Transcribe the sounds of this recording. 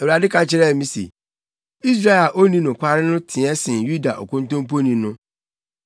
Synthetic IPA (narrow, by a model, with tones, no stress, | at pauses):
ɛ˨wu˨ɾa˨dɪ˦kʰã˨t͡ɕʰɪ˦ɾɛ˦˨mĩ˦sḛ˨ | i˦s̬ɾa˦ɛ˨la˨ʔo˦nĩ˦nʊ̃˨kʷa˦ɾɪ˦nʊ̃˦tʰɪ̃˨ɛ˦sɪ̃˨nju˦da̰˨ʔɔ̰˨kʊ̃˦n˦tʊ̃˦m˦po˦nĩ˨nʊ̃˦